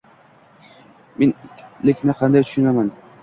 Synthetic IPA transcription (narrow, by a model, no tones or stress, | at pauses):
menʲlɪkʲnɪqʰɑnd̪ajt̪ʊ̥ʃʊnaman